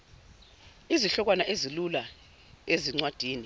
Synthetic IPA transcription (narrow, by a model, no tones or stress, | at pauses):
iziɬɔk̬wanaʔezilula | eziŋ͡ǀwad̥ʱiːni